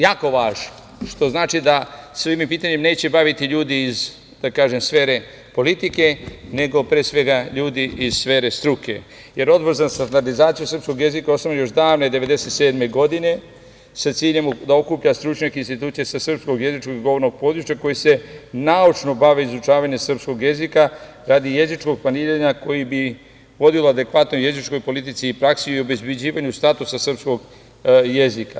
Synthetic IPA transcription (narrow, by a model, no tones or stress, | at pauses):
jaːko̞ʋaːʒno | ʃt̪o̞znaːt͡ʃid̪asʋimmpiːt̪aɲemne̞ːt͡ɕe̞baʋit̪iʎuːd̪iːz | d̪̥akaːʒe̞msfe̞ːɾe̞ | po̞lit̪ike̞ne̞ɡo̞pɾeːsʋe̞ɡaʎuːd̪iiz̥sfeːɾe̞st̪ɾuke̞̰ | je̞ɾo̞d̪boɾzast̪and̪aɾd̪izaːt̪sijusr̩pskoɡje̞zikaosamjo̞ʃd̪aːʋned̪e̞ʋe̞d̪e̞se̞t̪seːd̪me̞ɡo̞d̪ine̞ | sat̪siːʎe̞md̪ao̞kupʎast̪ɾut͡ʃɲakeinst̪it̪uːt̪sijesasr̩psko̞ɡje̞zit͡ʃko̞ɡiɡo̞ʋo̞ɾno̞ɡ̚po̞ːd̪ɾut͡ʃako̞jise̞naut͡ʃno̞baʋeizut͡ʃaːʋaɲesr̩psko̞ɡje̞zika | ɾad̪ije̞zit͡ʃko̞ɡ̚planiːɾaɲako̞jibi | ʋo̞d̪iolad̪e̞kʋat̪nojezit͡ʃko̞jpo̞lit̪it̪siːpɾaksiio̞be̞zbed͡ʑiːʋaɲust̪at̪usasr̩psko̞ɡ | jezika